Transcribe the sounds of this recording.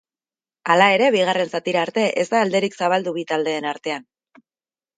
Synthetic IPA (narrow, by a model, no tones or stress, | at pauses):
alae̞ɾe̞βiɣ̞are̞nsat̪iɾaːɾt̪e̞ʔe̞zd̪aːld̪e̞ɾiksaβ̞ald̪uβit̪ald̪e̞ːnaɾt̪e̞an